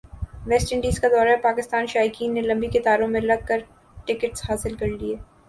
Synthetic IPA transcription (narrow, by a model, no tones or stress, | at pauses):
ʋɛːsʈəɳɖiːzkad̪ɔːɾaɦɛpaːkɪst̪aːnʃaːjkiːnːelɐ̃mbikɪt̪aːɾõmẽlɐɡ̚kəɾ | ʈɪkəʈshaːsɪlkɐɾlieː